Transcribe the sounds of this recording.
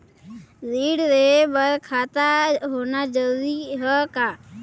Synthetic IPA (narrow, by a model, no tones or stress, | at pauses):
ziːɽɾeːbəɾkʰaːt̪aːɦoːnaːd͡ʒəldiɦəkaː